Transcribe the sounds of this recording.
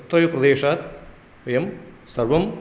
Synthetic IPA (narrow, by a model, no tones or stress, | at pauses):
t̪ɾɐjɐprɐd̪eːʂaːt̪ | ʋɐjɐm | sɐrʋɐm